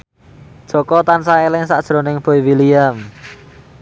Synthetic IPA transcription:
d̥ʒ̥o̤kɔt̪ansaelɪŋsa̰ʔd̥ʒ̥ɾo̤nɪŋb̥oiwiliam

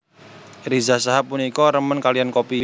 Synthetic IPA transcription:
rizasaɦap̚ːunikɔɾəmənkalijankopi

